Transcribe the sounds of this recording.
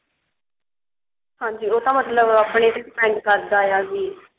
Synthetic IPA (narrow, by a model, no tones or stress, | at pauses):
hãːɲd͡ʒiːoːt̪ãːmət̪ləbaːpɳeːt̪espɛ̃ːɳɖkəɾd̪aːjaːd͡ʒiː